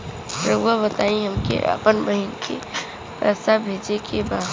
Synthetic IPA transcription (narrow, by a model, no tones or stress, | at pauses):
pɾɐbuabət̪aːĩɦɐmkḛʔa̰pənbəɦinkʰḭ | pɛsabʱeːd͡ʒekebaː